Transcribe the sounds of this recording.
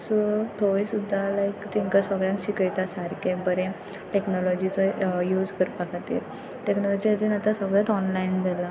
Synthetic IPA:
sɔt̪ʰoʋisud̪ʱːalaikt̪ʰiŋkəsəɡɭjãŋkɕikəjt̪asaɾkẽbəɾẽ | ʈeknɔlɔd͡ʑit͡sɔjuːd͡zkəɾpakʰat̪ḭːɾ | ʈeknɔlɔd͡ʑiad͡ʑ̪inat̪asəɡɭat̪ɔnlaind̪ela

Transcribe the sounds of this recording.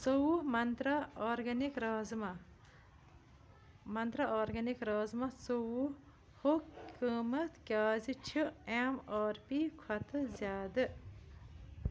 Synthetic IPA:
sowumɐnt̪ɾɐːɾɡɐnikɾaːzmɐ | mɐnt̪ɾɐaːɾɡɐnikɾaːzmɐsowu | hokkəːmɐt̪kʲaːzit͡ʃʰiemaːɾpikʰwɐt̪ʰɨzʲaːd̪ɨ

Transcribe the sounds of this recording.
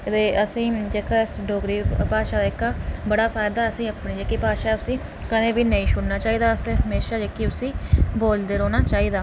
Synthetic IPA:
teːʔəsĩːd͡ʒeːkaɪsɖoːɡɾiːpaːʃaːd̪aɪkːaːbəɽaːpʰaːjd̪aːəsĩːəpɳiːd͡ʒeːkiːpaːʃaːʊsĩː | kənẽːbiːnəĩːʃʰʊɽnaːt͡ʃaːiːd̪aːəsẽɦəmeːʃaːd͡ʒeːkiːʊsĩːboːld̪eːɾoːnaːt͡ʃaːiːd̪aː

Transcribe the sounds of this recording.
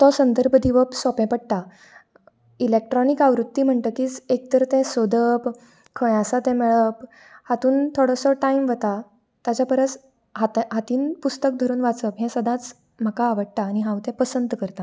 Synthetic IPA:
t̪ɔsənd̪əɾbʱəd̪iʋəpsɔpɛ̃pəɽ̚t̪a | ilek̚ʈɾɔnikaʋɾut̪ːiːm̤əɳʈ̪əkiːd͡zekt̪əɾt̪ɛ̃sod̪ʱəp | kʰə̃jasat̪ɛ̃mɛɭəp | hat̪uːnt̪ʰoɽɔ̃sɔʈaimʋət̪a | t̪at͡ɕjapəɾət͡s | ɦat̪ɦat̪iːnpust̪ək̚d̪ʱəɾuːnʋat͡səpɦɛ̃səd̪ʱãt͡s | m̤əkaːʋəɽ̚t̪aːñiɦãwt̪ɛ̃pəsənd̪kəɾt̪a

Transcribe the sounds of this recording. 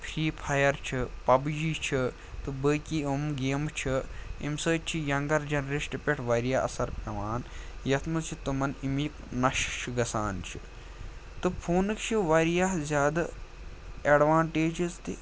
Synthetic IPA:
pʰɾiːpʰɐjɐɾt͡ʃʰipɐbd͡ʒiːt͡ʃʰi | t̪ɨbəːkiːumɡeːmt͡ʃʰiimsəːt͡ʃʰijɐŋɡɐɾd͡ʒɐnɾiʃʈipʲeʈʰʋɐːɾijaːɐ̰sɐɾpʲɐʋaːnjɐt̪ʰmɨt͡ʃʰit̪umɐnimiːknɐʃt͡ʃʰiɡɐsaːnt͡ʃʰḭ | t̪ɨpʰuːnɨkt͡ʃʰiʋaːɾijaːɦzʲjaːd̪ɐ | ɐɖʋaːɳʈeːd͡ʒizt̪ḭ

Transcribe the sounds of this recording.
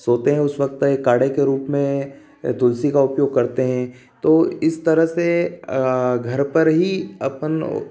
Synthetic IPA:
soːt̪eɦɛ̃ʊsʋɐk̚t̪ekːaːɽekeɾuːpmẽ | d̪ʊlsikaʊpjoːɡ̚kɐɾt̪eɦɛ̃ | t̪oːɪst̪ɐɾəɦse | ɡʱɐɾpɐɾɦiɐ̰pn

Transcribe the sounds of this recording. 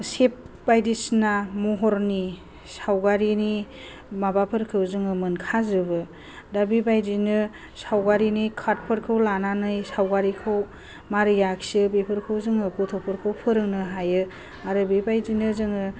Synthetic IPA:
sep̚bajdisnamɔɦɔɾni | sawɡaɾini | mabapʰɯɾkʰɯwzɯŋɯmɯnkʰazɯbɯ | dabibajdinɯ | sawɡaɾinikʰat̚pʰɯɾkʰɯwlananɯjsawɡaɾikʰɯw | maɾɯjaksɯbepʰɯɾkʰɯwzɯŋɯkutʰɔpʰɯɾkʰɯwpʰɯɾɯŋnɯɦajɯ | aɾɯbibajzinɯzɯŋɯ

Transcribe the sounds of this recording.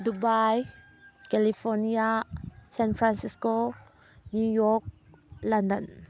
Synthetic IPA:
dubaj | kɛlifɔniasɛ̃nfɾãnsisko | njujɔk̚ | landən

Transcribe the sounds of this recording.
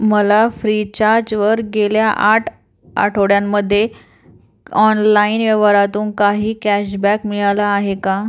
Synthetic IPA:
məlafɾit͡ɕaɾd͡ʑʋəɾɡeljaʔaʈʰ | a̰ʈʰoɽjamːəd̪ʱːje | ɔnlainʋəʋaɾat̪uːnkaɦiːkæɕbækmiɭalaːɦeka

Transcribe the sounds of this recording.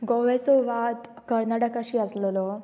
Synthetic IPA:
ɡɔʋesɔʋat̪ | kəɾnaʈəkaɕiːəslɔlɔ

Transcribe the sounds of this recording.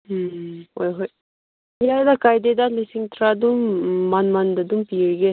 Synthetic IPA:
hojɦoj | jad̪akajd̪ed̪alisiŋt̪ɾad̪umːanmand̪ɐd̪umpiːɽɡe

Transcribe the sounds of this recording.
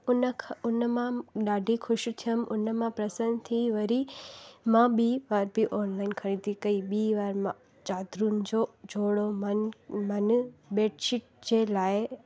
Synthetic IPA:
ʊnʰʊnəmãɗaːɖʱixʰʊʃ̆t̪ʰijəm̆ʊnəmãpɾɐsənt̪ʰiʋɐɾimãɓiːʋaːɾbʱiʔɔːnlaːɪnkʰɐɽ̃ĩːt̪ʰikɐiɓiːʋaːɾmã | t͡ɕaːd̪ɾunɪ̆d͡ʑoːd͡ʑʱoːɽomɐnmɐn̆beːʈɪʈ̚d͡ʑeːlaːɪ

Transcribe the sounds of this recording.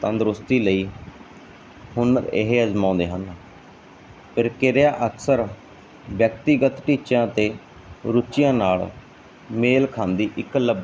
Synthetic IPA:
t̪ãːnd̪ɾʊst̪iːləiː | hʊnɪ̰ɦeəzmãːnd̪eːɦən | pʰɪɾkɪɾejaːʔəksəɾ | bjək̚t̪iɡət̪ʈiːt͡ʃãːt̪eː | ɾʊt͡ʃɪjãːnaːl | meːlkʰãːnd̪iːʔɪkləb

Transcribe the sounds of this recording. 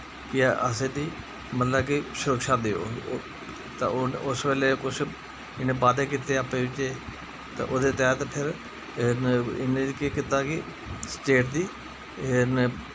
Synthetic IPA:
kɪəsẽːd̪iː | mət̪ləbkisʊɾəkʃaːd̪eːo̰ː | t̪ə̰ʊsʋeːleːkʊt͡ʃʰ | ɪnẽːbaːd̪eːk̬ɪt̪eːapeːʋɪt͡ʃeː | t̪a̰ʔoːd̪eːt̪ɛːt̪pʰɪɾ | ɪnẽːkeːkɪt̪aːkɪ | sʈeːʈ̚d̪iː | n

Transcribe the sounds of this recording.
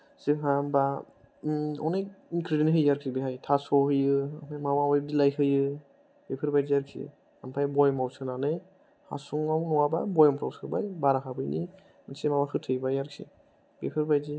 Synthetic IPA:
sikɦamba | ɔ̰nejkʰɾidinɦɯjaɾkʰibiɦajtʰasɔhɯjɯampʰamawawajb̚dilajhɯjɯ | b̥epʰɯɾbajziaɾkʰḭ | ampʰajbɔjmawsɯnanɯ | ha̰suŋawnɔwababɔjɔmpʰɾawsʰɯbajbaɾaɦabɯjni | semawakʰɯtʰɯjbajaɾkʰḭ | bepʰɯɾbajzi

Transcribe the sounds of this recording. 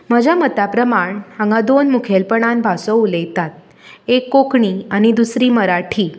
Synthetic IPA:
məd͡ʒamət̪apɾəmaɳhãŋɡad̪onmukʰelpəɽ̃anbʱasoulejt̪at̪̚ | ekːokɳiənid̪usɾiməɾaʈʰi

